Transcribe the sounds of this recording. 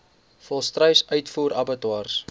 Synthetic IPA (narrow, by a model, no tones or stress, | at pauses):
fɔlˠstrəɥsœɥtfuːɾɐbətwɑːrs